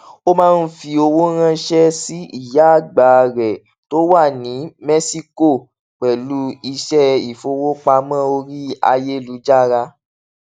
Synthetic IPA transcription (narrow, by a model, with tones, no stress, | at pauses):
o˦mãː˦˧n̩˦fi˧o˧wo˦ɾ̃ã˧ʃɛ˦si˦i˦˨ja˨˦a˦˨ɡ͡ba˨ɾɛ˨ | to˦wa˦˨nĩ˨˦mɛ˦si˦ko˦˨ | k͡pɛ˨lu˦i˧ʃɛ˦i˨fo˧wo˦k͡pa˧mã˦˨o˧ɾi˦a̰˧je˦˨lu˨˦d͡ʒa˦˨ɾa˧